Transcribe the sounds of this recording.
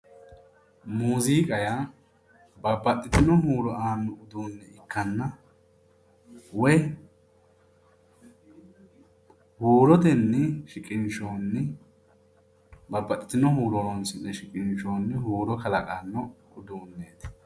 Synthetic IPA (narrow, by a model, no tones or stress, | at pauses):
muːziːkʼɐja | bɐbːɐt̪ʼːɪt̪ɪnɔɦuːɾɔʔaːnːɔʊd̪uːnːɛɪkʰːɐnːɐ | wɔj | huːɾɔd̪ɛnːɛʃɪkʼɪnt͡ʃoːnːɛ | bɐbːɐt̪ʼːɪt̪ɪnɔhuːɾɔɔnsɪnːɛʃɪkʼɪnt͡ʃoːnːɛhuːɾɔkɐlɐkʼaːnːɔ | ʊd̪uːnːeːt̪